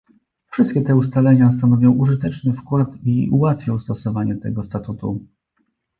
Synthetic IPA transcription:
fʂɘst̪kʲɛt̪ɛust̪alɛɲast̪anɔvʲjɔ̃w̃ʔuʐɘt̪ɛt͡ʂnɘfkwat̪iuwat̪fʲjɔ̃w̃st̪ɔsɔvaɲɛt̪ɛ̰ɡɔst̪at̪ut̪ṵ

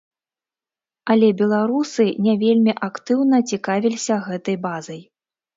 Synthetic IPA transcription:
ɐlʲɛbʲɛlˠaɾusɨnʲɛvʲelʲmʲiʔakt̪ɨwnɐt͡sʲikavʲilʲisʲɐɣɛt̪ɐjbazɐj

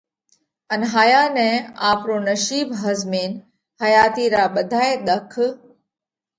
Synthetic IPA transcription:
ənɦaːjaːnɛ̃ːaːpɾoːnəʃiːbɦəzmiːn | həjaːt̪iːɾaːɓəd̪ʱaːeːɗ̪əkʰ

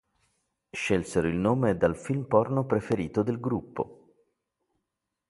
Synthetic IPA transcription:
ʃelseɾoilnoːmed̪alfilmpɔrnopɾefeɾiːt̪od̪elɡɾupːo̰

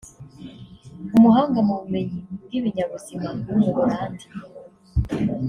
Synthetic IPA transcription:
umuhaːŋɡamuβume̞ɲidiβiɲaβusimauzoβuɾaːndi̥

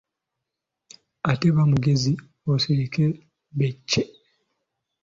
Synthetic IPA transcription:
ateβamuɡezi | osuɾike | βecːe

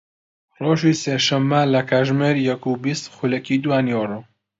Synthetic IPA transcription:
roːʒiːseːʃɐmːɐlɐkʰaːʒmeːɾjɐkubist̪xulɛkiːd̪uwaːnioru

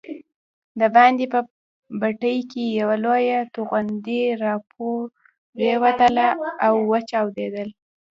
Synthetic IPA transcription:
d̪əbɑnd̪epə | baʈəjkejawalojat̪uɣand̪iɾɑpʰoɾ | wewat̪əlaawːət͡ʃɑwd̪ed̪əl

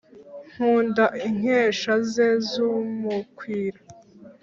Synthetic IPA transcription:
ŋ̥uːndaʔiŋ̥heːʃazezumukwiːɾa

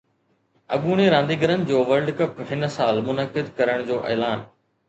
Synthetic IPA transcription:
ɐ̰ɠuːɽ̃iɾãːnd̪iːɡəɾənɪ̆d͡ʑoːʋɐɾɖkɐpɦɪnsaːlmʊnəkɪd̪kɐɾəɽ̃d͡ʑoːʔɛ̰ːlaːn

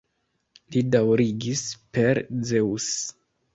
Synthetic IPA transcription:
lidawɾiɡispe̞ɾd͡zeus

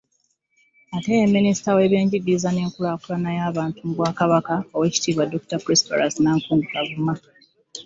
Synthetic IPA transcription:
ateemːinisi̥tawe̞βjeːɲɟiɡizaneːŋkulaːkulanajaːβaːntumuβwaːkaβakaowe̞ci̥tiːβwadoku̥tapɾisto̰ɾa̰sinaːŋkuːŋɡukaɡuma

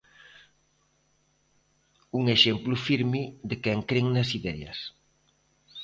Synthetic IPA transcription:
uŋeʃemplʊfiɾmɪðɪkɛŋkɾeŋnɐsiðɛjɐ̰s

